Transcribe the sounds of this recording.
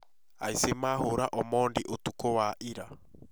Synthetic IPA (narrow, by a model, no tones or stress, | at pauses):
a̰isemaːhoɾaʔɔmɔːndiʔotukɔwaʔiɾa